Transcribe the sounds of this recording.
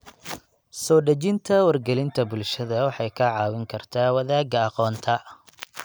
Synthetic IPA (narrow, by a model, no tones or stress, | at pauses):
sɔːɖɐt͡ʃɪnt̪ʰɐwɐrɡɛlɪnt̪ʰɐbʊlʃɐðɐwɑħɑjkʰɐʕɑːwɪŋkʰɐrt̪ʰaːwɐðaːɡɐɑqɔːnt̪ʰɐ